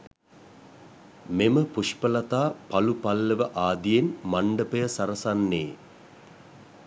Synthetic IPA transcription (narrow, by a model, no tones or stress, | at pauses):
meməpuʃpəlɐt̪aːpɐlupɐlːəʋəʔaːd̪ijenmaɳɖəpəjəsɐɾɐsanːeː